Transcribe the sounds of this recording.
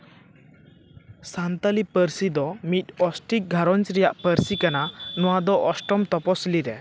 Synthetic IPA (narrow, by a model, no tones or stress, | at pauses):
sant̪alipəɾsid̪ɔmit̪̚ɔsʈik̚ɡʱaɾɔnt͡ʃɾɛjaʔpəɾsikananɔwad̪ɔʔɔsʈɔmt̪ɔpɔsliɾɛ